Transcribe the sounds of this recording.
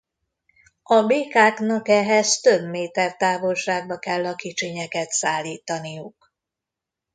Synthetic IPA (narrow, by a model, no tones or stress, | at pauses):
ɒbeːkaːknɒkɛɦɛzt̪ø̞bmeːt̪ɛrt̪aːvo̞lʃaːɡ̚bɒkɛlːɒkit͡ʃeɲɛkɛt̪saːlːiːt̪ɒnijuk